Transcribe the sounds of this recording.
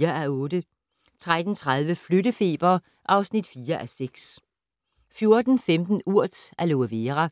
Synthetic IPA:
ɐʔæɔ̽ːd̥ə | t͡sʰʁad̥n̩t͡sʰʁað̞ˠʋəfløɾəfe̝̰ːb̥ɐ | ʔɑ̈ʊsnid̥fiːɐʔæseɡ̥s | fjo̝ɐd̥n̩femd̥n̩uɐ̰d̥ælo̝ʋeʁæ

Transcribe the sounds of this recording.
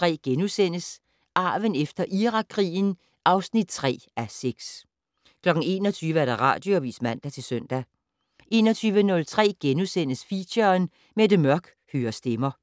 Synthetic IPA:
t͡sʰʁɛ̰ːɡ̥enusen̰əs | ʔɑ̈ːʋənefd̥ɐʔiʁɑ̈ɡʰʁḭːn̩ | ʔɑ̈ʊsnid̥̚t͡sʰʁɛ̰ːæseɡ̥s | kʰlɒ̽ɡ̥n̩e̝ːnɒt͡sʰyːʋəæɐd̥ɑ̈ʁɑ̰̈ːd̥joɒʋḭːsmæn̰d̥æt͡sʰe̝lsøn̰d̥æ | ʔe̝ːnɒt͡sʰyːʋənɔ̽lt͡sʰʁɛ̰ːɡ̥enusen̰əsfiɕɐn | med̥əmɶɐɡ̥ | høːɐsd̥emɐ

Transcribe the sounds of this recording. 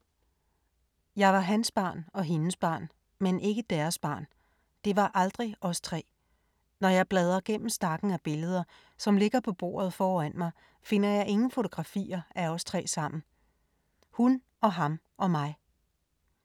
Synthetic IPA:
jɑ̈ɪʋɑ̈ɦænsb̥ɑ̰̈ːnɒ̽ɦe̝nəsb̥ɑ̰̈ːn | menʔe̝ɡ̥əd̥æɐsb̥ɑ̰̈ːn | d̥e̝ʋɑ̈ʔɑld̥ʁiʔɒ̽st͡sʰʁɛ̰ː | nɒjɑ̈ɪb̥lɛːð̞ˠɐɡ̥em̰m̩sn̥ɑ̈ɡ̥n̩æb̥e̝ləð̞ˠɐ | sɒ̽mle̝ɡ̥ɐpʰɒ̽b̥o̝̰ːɐð̞̩ˠfɒːæn̰mɑ̈ɪ | fe̝n̰ɐjɑ̈ɪʔe̝ŋn̩fo̝t͡sʰo̝ɡ̥ʁɑ̈fḭːɐæɒ̽st͡sʰʁɛ̰ːsɑ̈m̰n̩ | hun | ɒ̽ɦɑ̈m | ʔɒ̽mɑ̈ɪ

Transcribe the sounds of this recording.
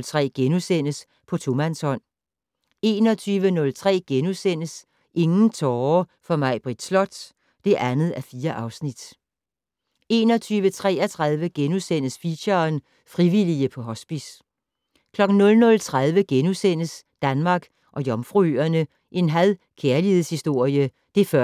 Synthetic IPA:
t͡sʰʁɛ̰ːɡ̥enusen̰əs | pʰɒ̽t͡sʰo̝mænshɒ̽n̰ | e̝ːnɒ̽t͡sʰyːʋənɔ̽lt͡sʰʁɛ̰ːɡ̥enusen̰əs | ʔe̝ŋn̩t͡sʰɒːfɒ̽mɑ̈ɪ̰b̥ʁid̥slɒ̽d̥ | d̥e̝ʔænð̩ˠæfiːɐʔɑ̈ʊsnid̥ | e̝ːnɒ̽t͡sʰyːʋət͡sʰʁɛ̰ːɐt͡sʰʁɑðˠʋəɡ̥enusen̰əsfiɕɐn | fʁiʋiliəpʰɒ̽ɦɒ̽sb̥is | kʰlɒ̽ɡ̥n̩nɔ̽lnɔ̽lt͡sʰʁaðˠʋəɡ̥enusen̰əsd̥ænmɑ̈ːɡ̥ | ʔɒ̽jɒ̽mfʁuøɐnə | ʔe̝nɦæðˠ | kʰeɐliheð̩ˠshisd̥o̝ɐ̰jə | d̥e̝fɶ

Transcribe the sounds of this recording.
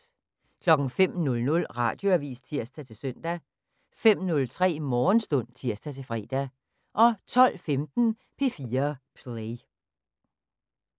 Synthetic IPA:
kʰlɒ̽ɡ̥ŋ̩fem̰nɔ̽lnɔ̽lʁɑ̰̈d̥jo̝æʋḭːst͡sʰiɐ̰sd̥æt͡sʰe̝lsøn̰d̥æ | fem̰nɔ̽lt͡sʰʁɛ̰ːmɒːnsd̥ɔ̽n̰t͡sʰiɐ̰sd̥æt͡sʰe̝fʁɛ̰ːd̥æ | ʔɒ̽t͡sʰɒ̽l̰femd̥n̩ | pʰe̝fiːɐpʰle

